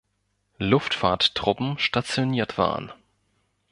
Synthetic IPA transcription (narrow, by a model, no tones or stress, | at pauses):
lʊftfaːɐttʁ̥ʊpm̩ʃtat͡sjoniːɐtv̥a̰ːʁə̰n